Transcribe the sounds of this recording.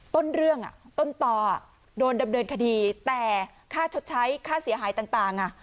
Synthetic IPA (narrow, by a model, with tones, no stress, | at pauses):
t̪o˥˩nɾɯ˥˩əŋʔa̰˨˩t̪o˥˩nt̪ɔː˧˩a˨˩ | doː˧nda˧mnɤː˧nkʰa˧diː˧t̪ɛː˨˩ | kʰaː˥˩t͡ɕʰo˦˥t̪̚t͡ɕʰa˦˥jkʰaː˥˩si˩˦ɐɦaː˩˦jt̪aː˨˩ŋt̪aː˨˩ŋʔa˨˩